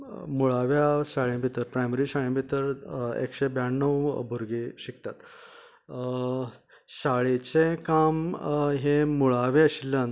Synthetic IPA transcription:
muɭaʋjaɕaɭẽbʱit̪əɾpɾajməɾiɕaɭẽbʱit̪əɾḛkɕebjaɳːəwbʱuɾɡeɕikt̪at̪ | ɕaɭet͡sekamɦemuɭaʋeəɕilːən

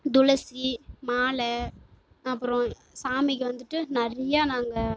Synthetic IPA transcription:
d̪ʊlɐsimaːɭɛ | ɐpːɯɾõ | saːmɪkːɯʋɐnd̪ɯʈːɯnɐɾɐjaːnaːŋɡɐ

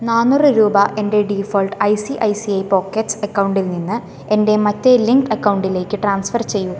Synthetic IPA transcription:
naːnːurɨɾuːbɐʔe̞nde̞ɖiːfoːlʈɐjsiʔɐjsiɐjpo̞ːkːeʈsɐkːɐwuɳɖilninːɨ | e̞nde̞mɐtːeliŋkʈɐkːɐwuɳɖile̞ːkːɨʈraːnsfɐrt͡ɕe̞jːu

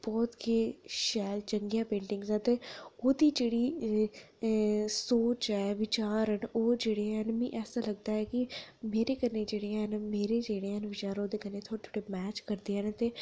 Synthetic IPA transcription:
b̥ɔːt̪keːʃɛːlt͡ʃəŋɡijãːpẽːɳɖɪ̃ŋɡzɛt̪eːoːd̪iːd͡ʒeːɽiː | soːt͡ʃɛːʋɪt͡ʃaːɾənoːd͡ʒeːɽẽɦnmḭ̃ːʔɛːsaːləɡ̚d̪aːɛːkimeːɾeːkəned͡ʒeːɽeãɦnmeːɾeːd͡ʒeːɽeːənʋɪt͡ʃaːɾoːd̪eːkənet̪ʰoːɽet̪ʰoːɽemɛːt͡ʃkəɾd̪eːɦɛːnt̪eː

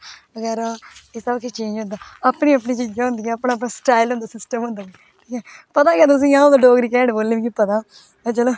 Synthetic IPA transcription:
ʋəɡɛːɾaːeːsəbkit͡ʃẽːnd͡ʒɦõnd̪aːəpɳĩːəp̬niːt͡ʃid͡ʒãːɦʊ̃nd̪iːɛəpɳaːəpɳaːsʈaːilɦõːnd̪aːsɪsʈəmɦʊ̃nd̪aːɡiː | ʈʰiːkɛːpət̪aːɡejaːt̪ʊs̬ĩːãːod̪aɖoːɡɾiːkɛːɖboːlːĩːkipət̪ãː | t͡ʃəloː

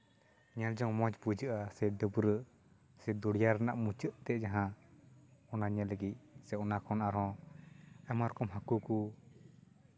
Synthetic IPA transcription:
ɲald͡ʒɔŋmɔ̃d͡ʒbud͡ʒəʔasɛɖəbɾəʔ | sɛd̪ɔɽijaɾɛnaʔmut͡ʃəʔt̪ɛd͡ʒaɦã | ɔnaɲaləɡit̪̚ˀsɛɔnakʰɔnaɾɔ̃ | ɛmaɾɔkɔmɦakuku

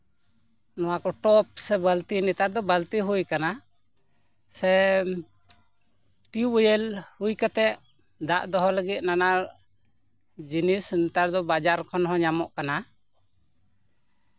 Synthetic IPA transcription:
nɔwakɔʈɔp̚sɛbəlt̪init̪aɾd̪ɔbəlt̪iɦujkana | sɛ | ʈiwəjəlhujkat̪ɛʔ | d̪a̰ʔd̪ɔɦɔləɡit̪̚nanaɾ | d͡ʒinisnit̪aɾd̪ɔbad͡ʒaɾkʰɔnɦɔ̃ɲamɔʔkana

